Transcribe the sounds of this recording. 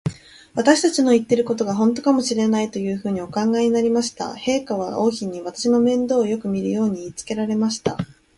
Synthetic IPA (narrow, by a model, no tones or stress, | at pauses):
βat̪aɕi̥t̪at͡ɕino̞it̪ːe̞ɾɯ̟ko̞t̪̬o̞ɡaɦõ̞nt̪o̞kamo̞ɕiɾe̞nait̪o̞jɯ̟ːɸɯ̟ːɲ̟io̞kãŋɡaiɲ̟inaɾʲimaɕi̥t̪a̰he̞ːkaβ̞ao̞ːçiɲ̟iβat̪ḁɕino̞mẽ̞nd̪o̞ːjo̞kɯ̟mʲiɾɯ̟jo̞ːɲ̟iːt͡sɨ̥ke̞ɾaɾe̞maɕi̥t̪a̰